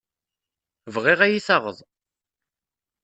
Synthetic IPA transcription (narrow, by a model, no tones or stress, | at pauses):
vʁɪʁæjiθɑʁəðˤ